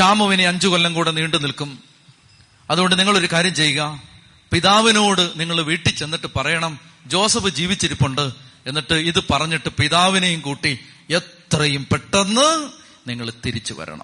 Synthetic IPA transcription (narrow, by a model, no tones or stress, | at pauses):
ɕaːmɐʋineɐɲd͡ʑukolːɐŋkuːɽeniːɳɖɨnilkum | ɐðuɣo̞ɳɖɨniŋːɐɭo̞ɾukaːɾjɐmt͡ɕe̞jːuɣɐ | piðaːʋino̞ːɽɨniŋːɐɭʋiːʈːit͡ɕːe̞nːiʈːɨpɐrɐjɐɳɐmd͡ʑo̞ːsɐbɨd͡ʑiːʋit͡ɕːiɾipːuɳɖɨe̞nːiʈːɨiðɨpɐrɐɲːiʈːɨpiðaːʋinɐjumkuːʈːi | et̪rɐjumpeʈːenːɨ | niŋːɐɭt̪iɾit͡ɕːuʋɐ̰ɾɐ̰ɳɐ̰mm